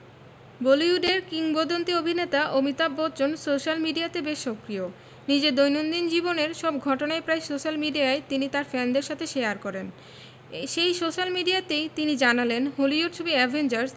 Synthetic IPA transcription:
boliuɖeɾkiŋbod̪ont̪iobʱinet̪aʔomit̪abːot̪d͡ʑonsoʃalmiɖijat̪ebeʃːɔkɾio | nid͡ʑed̪ojnond̪ind͡ʑiboneɾʃɔb̚ɡʱɔʈonaepɾaesoʃalmiɖiaet̪init̪aɾfɛnd̪eɾʃat̪ʰeʃeaɾkɔɾen | ʃejsoʃalmiɖijat̪ejt̪inid͡ʑanalenɦoliuɖ̚t͡ɕʰobiɛbʱend͡ʑaɾs

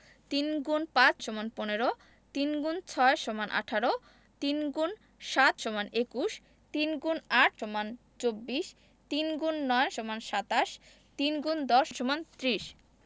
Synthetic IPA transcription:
t̪inɡunpãt͡ɕʃɔmanponeɾo | t̪inɡunt͡ɕʰɔeʃɔmanʔa̰ʈʰaɾo | t̪inɡun | ʃat̪ʃɔmanekuʃ | t̪inɡunaʈʰʃɔman | t͡ɕobːiʃ | t̪inɡunːɔeʃɔmanʃat̪aʃ | t̪inɡund̪ɔʃʃɔmant̪ɾiʃ

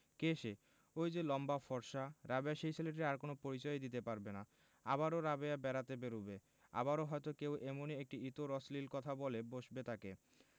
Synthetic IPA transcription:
keʃe | ojd͡ʑelɔmbafɔɾʃaɾabeaʃejt͡ɕʰeleʈ̬iɾaɾkonopoɾit͡ɕɔed̪it̪epaɾbena | a̰baɾoɾabeabɛɾat̪ebeɾube | a̰baɾoɦɔjt̪okewʔemoniek̚ʈiit̪oɾɔslilkɔt̪ʰaboleboʃbet̪ake

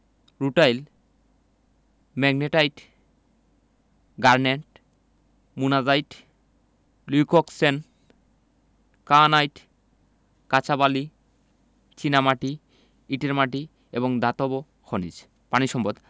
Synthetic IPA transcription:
ɾuʈajl | mɛɡneʈajʈ | ɡaɾneɳʈ | munazajʈ | lujkoksen | kanajʈ | kat͡ɕabali | t͡ɕinamaʈi | iʈeɾmaʈi | eboŋd̪at̪obo | kʰonḭd͡ʑ | paniʃɔmpod̪

